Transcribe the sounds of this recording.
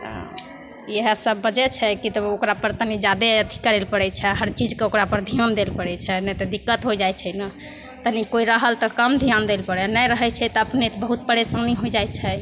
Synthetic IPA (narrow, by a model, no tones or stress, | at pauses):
ə̰ | eɦəsəbːəd͡ʒɛt͡ʃʰɛkit̪ɔokɾapəɾt̪ənid͡ʒad̪eət̪ʰi̥kəɾelpəɽɛt͡ʃʰɛɦəɾt͡ʃid͡ʒkeokɾapəɾd̪ʱijand̪elpəɽɛt͡ʃʰɛnɛt̪ɔd̪ikːət̪ɦod͡ʒajt͡ʃʰɛnə | t̪ənikoiɾəɦəlt̪ɔkəmd̪ʱijand̪elpəɽɛnəjɾəɦɛt͡ʃʰɛt̪ɔəpnet̪ɔbəɦut̪̚bəɽesə̃ŋɡniɦojd͡ʒajt͡ʃʰɛ